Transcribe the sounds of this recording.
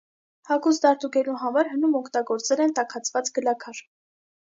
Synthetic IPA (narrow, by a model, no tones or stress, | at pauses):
hɑkʰusd̪ɑɾt̪uɡɛluɦɑmɑɾɦənumɔkʰt̪ɑɡɔɾt͡sɛlɛnt̪ɑkʰɑt͡sʰvɑt͡sɡəlɑkʰɑɾ